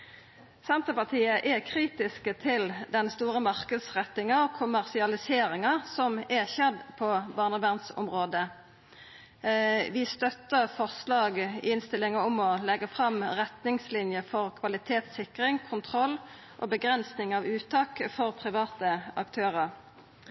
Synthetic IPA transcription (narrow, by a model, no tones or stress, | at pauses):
sɛnt̪əpɑʁt̪ʰiːəʔɛkʰʁiːt̪ɪskət̪ʰɪld̪ɛnst̪uːʁəmɑʁkəd̪sʁɛt̪ːɪŋɑɔkʰʊmæʁsɪɑlɪseːɾɪŋɑsɔmɛçɛd̪pʰɔbɑːʁnəbæʁnsʊ̰mʁoːd̪ə | ʋɪst̪œt̪ːəʁfɔʁslɑːɡɪnst̪ɪlɪŋəʊmɔlɛɡəfʁɑmʁɛt̪nɪŋslɪnjəfɔʁkʰʋɑlɪt̪ʰeːt̪sɪkʁɪŋkʰʊnt̪ʰʁɔlː | ʔɔ̰bəɡʁɛnsnɪŋɑʋʉːt̪ɑːkfɔʁpʰʁɪʋɑːt̪əɑkt̪ʰøːʁəʁ